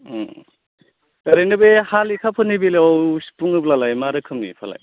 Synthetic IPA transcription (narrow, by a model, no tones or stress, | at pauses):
ɾenɯbehalikʰapʰɯnibilɔwspuŋɯplalajmaɾɯkʰɯmnḭpʰala̰j